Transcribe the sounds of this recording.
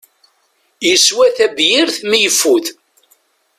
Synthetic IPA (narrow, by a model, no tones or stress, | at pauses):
jəswæθæbjɪɾθmijəfːuθ